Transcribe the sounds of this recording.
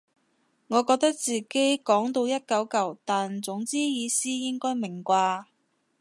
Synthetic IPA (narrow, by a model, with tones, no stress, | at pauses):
ŋɔː˨˧kɔː˧k̚t̪ɐ˥k̚t͡siː˨ke˥jkɔː˨˥ŋt̪o˧wjɐ˥t̚kɐ˨˥wkɐ˨˩wt̪aː˨nt͡sʊ˨˥ŋt͡siː˥jiː˨˧siː˥jɪ˥ŋkɔː˥jmɪ˨˩ŋkʷaː˧